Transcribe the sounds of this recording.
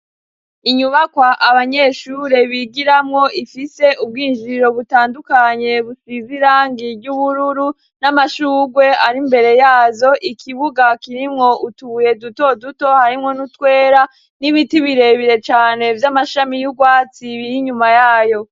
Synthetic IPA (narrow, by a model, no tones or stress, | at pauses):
iɲuβakwaʔaβaɲe̞ʃuːɾe̞βiɡiɾamŋo̞ʔifise̞ʔub̚ɡiːnd͡ʒiɾo̞βutaːndukaɲe̞βusiziɾaːŋɡiɟuβuɾuɾu | namaʃuːɡwe̞aɾimbe̞ɾe̞jaːzo̞ʔikʰiβuɡakiɾimŋo̞ʔutuβuje̞duto̞duto̞haɾimŋo̞nutwe̞ːɾa | niβitiβiɾe̞βiɾe̞t͡ʃaːne̞vjamaʃamijuɡwaːt͡siβihiɲumajaːjo̞